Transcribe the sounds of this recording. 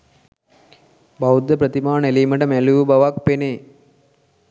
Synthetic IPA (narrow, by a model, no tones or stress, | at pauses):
bɐwd̪ɐpɾɐd̪imaːɳelimɐɖɐmeluːbɐʋaːk̚pene